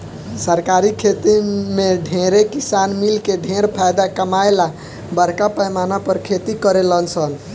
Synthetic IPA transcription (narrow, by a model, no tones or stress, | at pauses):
səɾkaɾikʰet̪imeɖʱẽɾekisanmilkeɖʱẽɾpʰajd̪akəmajla | bəɾ̤kapəjmanapəɾkʰet̪ikəɾelənt͡ʃʰən